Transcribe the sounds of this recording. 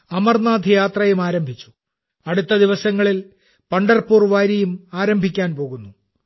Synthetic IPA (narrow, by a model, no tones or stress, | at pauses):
ɐmɐrnaːd̪ʱjaːt̪rɐjumaːɾɐmbʱit͡ɕːu̥ | ɐɽut̪ːɐd̪iʋɐsɐŋːɐɭil | pɐɳɖɐrpuːrʋaːɾɐjumaːɾɐmbʱikʲːaːnpo̞ːɣunːu